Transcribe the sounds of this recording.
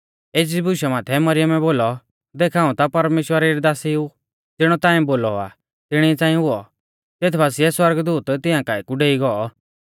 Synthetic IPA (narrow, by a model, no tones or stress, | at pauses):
eːd͡ʒibʊʃamaːt̪ʰɛmɐɾɪjəmɛboːlɔ | d̪eːkʰaːũt̪apɐɾmeːʃwəɾaɾid̪aːsiu | d͡zɪɽ̃ɔt̪ãːĩboːlɔa̰ | t̪ɪɽ̃iɛt͡sãːĩɦʊɔ | t̪eːt̪ʰbaːsiɛswɐɾɡd̪uːt̪t̪ɪãːkaːikuɖeːiɡɔɔ